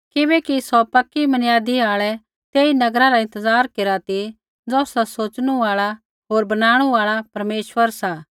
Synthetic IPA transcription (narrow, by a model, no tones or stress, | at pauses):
kɪbɛkisɔpɐkːimɐnjaːd̪iaːɭɛ | t̪eːinɐɡɾaɾaɪ̃nt̪əzaːɾkeːɾat̪i | d͡zɔːsasoːt͡ʃɽ̃uaːɭa | ɦoːɾbɐnaːɽ̃uaːɭapɐɾmeːʃʋəɾsa